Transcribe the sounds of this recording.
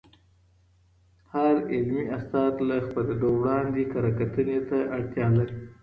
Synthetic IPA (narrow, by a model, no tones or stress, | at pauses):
haɾɪlmiast̪ɑt̪laxpəled̪owɽɑnd̪ekaɾakat̪ənet̪aʔaɽt̪jɑlaɾi